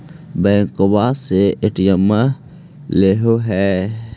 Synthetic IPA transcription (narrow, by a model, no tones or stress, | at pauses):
bɛːŋkobaseɪʈijəmːə | leɦoɦɛː